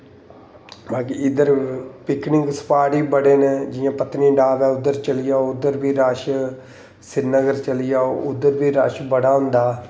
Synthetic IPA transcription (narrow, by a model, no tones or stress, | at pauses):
baːkiɪd̪əɾpɪknɪŋɡsə̥paːɽiːbəɽeːneːd͡ʒɪjãːpət̪niːɖaːbɛːʊd̪əɾt͡ʃəlɪjaːoʊd̪əɾbʱiːɾaːʃ | sɪnəɡəɾt͡ʃəlɪjaːoʊd̪ːəɾbiːɾaːʃbəɽaːɦʊ̃nd̪aː